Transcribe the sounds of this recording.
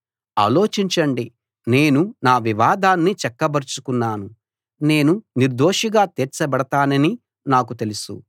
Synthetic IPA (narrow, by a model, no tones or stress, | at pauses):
a̰ːlo̞ːt͡ʃiɲt͡ʃɐɳɖi | ne̞ːnunaːʋiʋaːd̪aːnːit͡ʃɛkːɐbɐɾt͡ʃu̥kunːaːnu | ne̞ːnuniɾd̪oːʂiɡaːt̪ɛːɾt͡ʃɐbɐɽɐt̪aːnɐni | naːk̬ut̪e̞lusṵ